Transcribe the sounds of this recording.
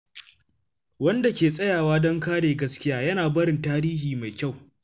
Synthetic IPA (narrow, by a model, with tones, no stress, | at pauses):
wɐ˦nda˨kʲeː˨sʼɐ˦jaː˨waː˦dɔ˦ŋkaː˦ɽeː˨ɡɐ˦skʲɪ˦jaː˦jɐ˦naː˨bɐ˦ɾɪ˨ntaː˦ɾiː˦ɦiː˨ma˨jkʲa˦˨w